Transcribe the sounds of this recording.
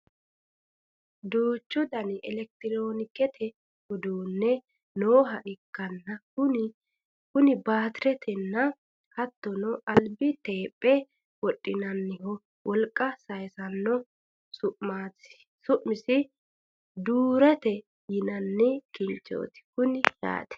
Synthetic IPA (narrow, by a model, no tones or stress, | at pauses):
d̪uːt͡ʃːʊd̪ɐnɪɛlɛk̚t̪ɪɾoːnɪkːɛt̪ʰɛ | hʊd̪uːnːɛ | noːɦɐʔɪkːɐnːɐʊ | kʊnɪbaːt̪ɪɾɛt̪ʰɛnːɐ | hɐt̪ːɔnɔʔɐlbɪt̪eːpʼːɛ | wɔɗʼːɪnɐnːɪhɔ | wʔɔlkʼːɐsɐjsɐnːɔ | sʊʔmaːɪ̥ | sʊʔmɪsɪ | d̪uːɾɛt̪ɛ | jɪnɐnːɪkɪnt͡ʃʼːo̰ːt̪ɪ̥kʊnɪja̰ːt̪ɛ̥